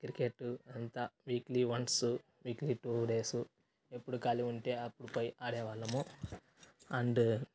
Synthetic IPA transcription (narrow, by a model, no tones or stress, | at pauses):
kɾikeʈːuɐnt̪ɐʋiːkliʋɐnsu | ʋiːkliʈuːɖeːsu | epːuɽukaːliuɳʈeːɐpːuɽupɐjaːɽɛːʋaːlːɐmu | ɐɳɖ